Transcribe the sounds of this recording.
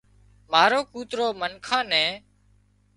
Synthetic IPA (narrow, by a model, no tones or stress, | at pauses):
maːɾoːkuːt̪ɾoːmənkʰãːnɛ̃ː